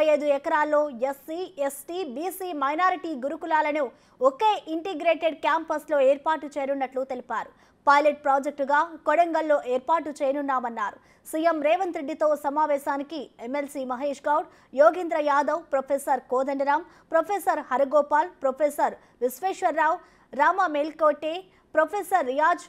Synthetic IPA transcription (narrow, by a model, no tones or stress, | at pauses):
jɐjd̪uɛkɐɾaːlːo̞ːesːiːesʈiːbiːsiːmɐjnaːɾiʈiːɡuɾukulaːlɐnu | ɔkeːʔiɳʈiɡɾeːʈeɖkjaːmpɐslo̞ːeːɾpaːʈut͡ʃeːɾunːɐʈlut̪e̞lipaːɾu | pɐjleʈ̚pɾaːd͡ʒek̚ʈɡaːkɔɽɐŋɡɐlːo̞ːʔeːɾpaːʈːut͡ʃeːjɐnunːaːmɐnːaːɾu | sijemɾɛːʋɐnt̪ɾeɖːit̪o̞ːsɐmaːʋɛːʃaːnikiemelsiːmɐɦeːʂɡɐːwɖ | joːɡind̪ɾɐjaːd̪ɐwpɾɐpʰesɐɾkoːd̪ɐɳɖiɾaːm | pɾɐpʰesɐɾhɐɾiɡɔːpaːlpɾɐpʰesɐɾ | ɾisʋeːʃʋɐɾːaːw | ɾaːmɐmelkoːʈːeː | pɾɐpʰesɐɾːijaːd͡ʒ